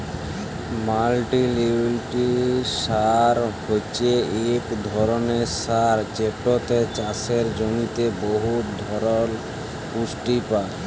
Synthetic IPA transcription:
malʈiliblʈiʃaɾhot͡ɕʰeekd̪ʱɔɾoneɾsaɾt͡ɕepʈːot̪et͡ɕaseɾd͡ʑomit̪eboɦut̪d̪ʱɔɾon | pusʈipa

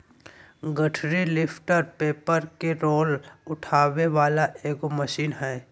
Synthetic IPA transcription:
ɡəʈʰɾilɪpʰʈəɾpeːpəɾkeɾoːlʊʈʰaːʋeʋaːlaʔeːkoməʃiːnɦɛː

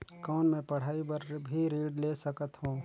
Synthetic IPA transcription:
kɔːnmẽpɐɽ̤aːibəɾbʱiɾiːɖleːsəkət̪hõː

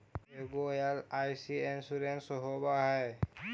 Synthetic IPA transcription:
eɡojalajsiensuɾensɔɦobaɦɛj

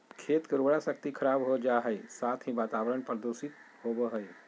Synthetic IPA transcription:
kʰeːt̪kəɾoːɽaʃək̚t̪ikʰəɾaːbɦod͡ʒaɦəesaːt̪ʰɦĩʋaːt̪aːʋəɾəɳpɾəd̪oːsɪt̪̚hoːbəɦəe

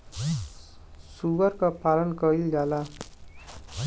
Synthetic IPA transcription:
subʌrkapalʌnkʌild͡ʒala

